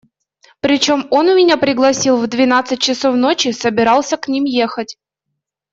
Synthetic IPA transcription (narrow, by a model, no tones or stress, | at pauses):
pɾʲɪt͡ɕo̞mo̞nʊmʲɪnʲapɾʲɪɡlˠɐsʲilˠvd̪vʲɪnat̪sɨt̚ʲt͡ɕɪso̞vnot͡ɕɪsəbʲɪɾɑlˠsʲəknʲimjexət̚ʲ